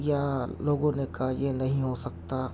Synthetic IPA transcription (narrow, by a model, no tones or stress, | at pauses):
jaloːɡõnekaɦajenɐɦĩɦosɐk̚t̪a